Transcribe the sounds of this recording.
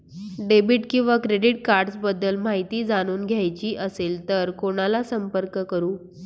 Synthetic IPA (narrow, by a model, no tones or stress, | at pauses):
ɖebiʈkĩw̃ʋakɾeɖiʈ̚kaɾɖt͡sbəd̪ːəlmaɦit̪iːd͡zaɽ̃uːnɡʱjajt͡ɕiːʔəselt̪əɾkoɽ̃alasəmpəɾkəkəɾuː